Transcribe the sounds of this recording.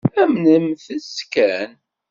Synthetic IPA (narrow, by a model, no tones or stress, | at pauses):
æmnəmθəskæn